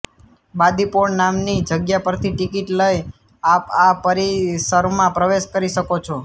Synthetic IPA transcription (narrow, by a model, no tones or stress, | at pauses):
bad̪ipoɳnamnid͡ʒəɡjapəɾt̪ʰiʈikiʈləj | apapəɾisəɾmãpɾəʋeʃkəɾiʃəkot͡ʃʰo